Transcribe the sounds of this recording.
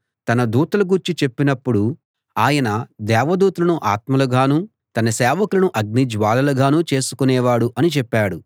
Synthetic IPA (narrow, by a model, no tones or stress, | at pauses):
t̪ɐnɐd̪uːt̪ɐlɐɡuɾt͡ʃit͡ʃe̞pːinɐpːuɽu | aːjɐnɐd̪ɛːʋɐd̪uːt̪ɐlɐnuʔa̰ːt̪mɐluɡaːnuː | t̪ɐnɐsɛːʋɐkulɐnuʔɐɡ̚nid͡ʒʋaːlɐlɐɡaːnuːt͡ʃe̞ːsu̥kunɛːʋaːɽuʔɐnit͡ʃɛpːaːɽu